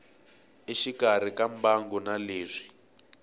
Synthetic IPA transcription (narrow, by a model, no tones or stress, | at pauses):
iʃikar̤ikambaŋɡɔnaleːʂi̥